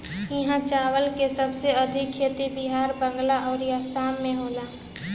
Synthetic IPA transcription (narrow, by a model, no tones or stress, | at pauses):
ɪɦãt͡ʃaːʋəlkesəbseəd̪ʱɪkʰːeːt̪ibiɦaːɾbə̃ŋɡlaʔɔːɾjaːsaːmːẽɦoːlaː